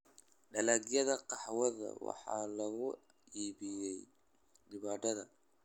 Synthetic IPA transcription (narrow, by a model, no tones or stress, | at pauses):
ɖɐlaɡjɐðɐqɑħwɐðɐ̰wɑ̰ħɑ̰ːlɐɣʊ | ʔiːβɪjɛj | ɖɪβaːt̪ɐðɐ̰